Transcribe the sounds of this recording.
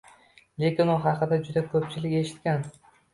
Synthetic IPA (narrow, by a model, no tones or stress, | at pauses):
lekʲɪnʊɦɑqʰɨd̪ad͡ʒʊd̪akʰɵpt͡ʃʰɪlɪkʲe̞ʃɪ̥t̪̚kʲan